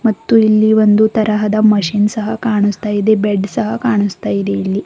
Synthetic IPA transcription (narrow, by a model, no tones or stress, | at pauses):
mɐt̪ːuilːiʋo̞nd̪ut̪ɐɾɐɦɐd̪ɐmɐʂiːnsɐɦɐkaːɳust̪aːjid̪e̞beɖsɐɦɐkaːɳust̪aːjid̪e̞ilːi